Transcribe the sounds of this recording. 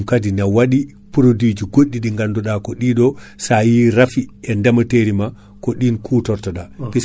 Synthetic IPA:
kadinawaɗi | puɾodid͡ʒiɡoɗːiɗiŋɡandɔɗakɔɗiɗɔsajiɾafiʔɛndamateɾima | koɗinkʰutɔɾtaɗapis

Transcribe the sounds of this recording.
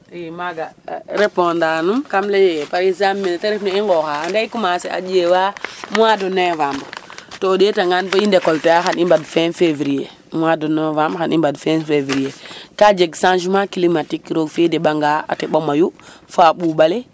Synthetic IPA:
imaɡaɾepɔndanumkamlejepaɾizamːinteɾefneiŋɡɔxandaikumasea̰d͡ʒewaːmuwadɔnevaːmbtodetaŋanfɔindekɔltɛaxanimbadfɛnfeviɾije | muwadɔnovambxanimbadfɛnfeviɾijekad͡ʒeɡsãnʃumakilimatikɾoɡfideɓaŋɡaa̰teɓomajufaɓuːbale

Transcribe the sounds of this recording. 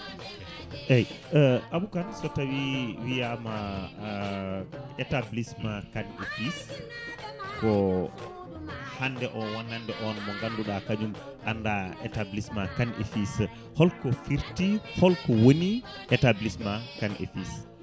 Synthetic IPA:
ʔɛj | ʔaɓukansɔtawiwijama | ɛtablismakanḛfis | kɔ | handɛʔɔwanːandɛʔɔnmɔŋɡanduɗakad͡ʒum | ʔandaʔɛtablismakanʔḛfis | hɔlkɔfiɾtihɔlkɔwoniʔɛtablismakanʔḛfis

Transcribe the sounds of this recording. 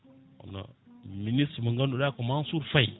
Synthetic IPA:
a̰na̰minisimaŋɡandudakumansuɾfaj

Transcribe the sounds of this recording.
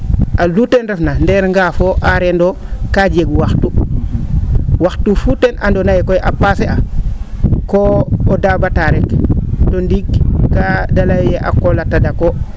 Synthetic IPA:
ʔalutenɾefnandeɾŋɡafoʔaɾendokad͡ʒeɡwaxtu | waxtufutenʔandonajekojʔapasea | koodabataɾektondiɡkadalajjeʔa̰kolatadako

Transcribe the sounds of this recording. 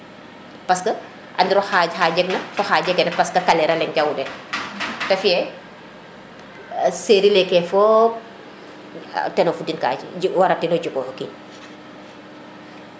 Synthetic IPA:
pɐskɐ | ʔɐndiɾɔxaːɟxaːɟɛknɐfɔxaːɟɛkɛnɐpɐskɐkalɛɾɐlɛɲɟɐwdɛ | tɐfiɛ | seːɾilɛkːɛfɔ | tɛnɔfudinka̰ːɟwɐɾɐtinɔɟukɔhɔkin

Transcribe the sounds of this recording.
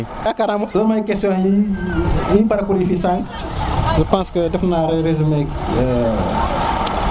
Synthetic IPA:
akaɾamzɐmajkestijõi | ĩpaɾakuɾifisal | ʒəpãnskədɛfnaɾeɾezumeki̥ə

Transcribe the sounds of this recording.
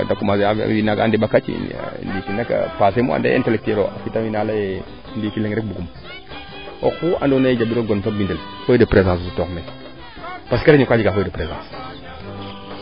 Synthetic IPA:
dakumaza̰inaɡa̰ndebakat͡ʃḭndikinaka̰pas̬emṵa̰dḛḛntelek̚tielo̰ʔafitaminalaje | ndikileŋɾek̚buɡum | oxua̰ndonajed͡ʒabiɾoɡonfabindəl | fojidəpɾezãːs̬sutoxme | paskaleɲukad͡ʒiɡafojidəpɾezã̰s

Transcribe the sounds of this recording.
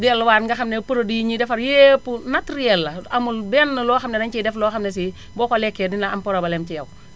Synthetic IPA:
diɛlːwaːɾŋɡɐxɐmnɛpuɾodijɲidɛfɐɾjepːunatɾijɛlːɐɐmulbɛnːɐlɔːxɐmnɛnɐɲt͡ʃidɛflɔːxɐmnɛs̬i | bɔːkɔlɛkːɛdinaɐmpɔɾɐbɐlɛmt͡ʃijɐw

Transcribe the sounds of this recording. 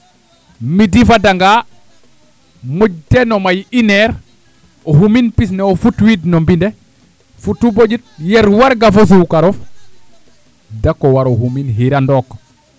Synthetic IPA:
midifadaŋɡa | mud͡ʒ̚denomajineɾ | oɦuminpisneofutwidnombinde | futːubod͡ʒit̚jeɾwaɾɡafos̬ukaɾof | dakːowaɾoɦuminɦiɾandɔk

